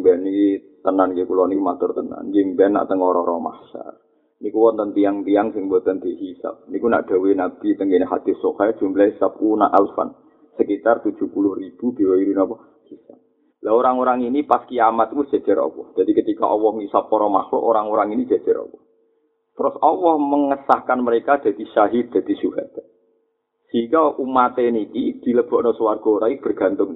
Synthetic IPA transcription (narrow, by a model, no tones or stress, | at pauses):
mbɛnikit̪ənankekulɔnimat̪ʊrt̪əna̰nd͡ʒɪŋbɛnːa̰ʔt̪əŋɔɾɔɾɔma̰hsa̰r | nikuwɔnt̪ənt̪iaŋt̪iaŋsɪŋbɔt̪ənd̪̥ehisa̰p̚nikuna̰ʔd̪̥a̤wenab̪it̪əŋɡeneɦad̪̥ɪ̤sokajadʒ̥ṳmblahisap̚kuna̰ʔalfa̰n | səkit̪art̪ud̥ʒ̥ṳhpulʊhrib̥ub̥e̤wɛiɾinɔpɔ | hisa̰p̚ | laoɾaŋoɾaŋinipaskiamat̪̚kʊdʒ̥a̤d͡ʒ̥a̤ɾɔ̰wɔd̥ʒ̥a̤d̪̥ikət̪ika̰ʔɔwɔhŋisapɔɾɔma̰hlʊ̰ʔoɾaŋoɾaŋini̥d͡ʒ̥a̤̥d͡ʒ̥aɾɔ̰wɔ | t̪əɾʊsɔwɔhməŋəsahkanməɾekad̪̥ä̤d̪̥iʃaɦɪrd̪̥a̤d̪̥i̤suɦat̪ | sikaʔumat̪enikid̪̥i̤ləb̥ɔʔnɔsəwarɡ̥ɔ̤oɾaib̥ərɡ̥a̤nt̪ʊŋ